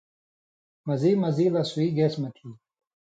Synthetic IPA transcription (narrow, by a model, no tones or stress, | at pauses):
mɐzimɐziːlaswiːɡesmɐʈʰiː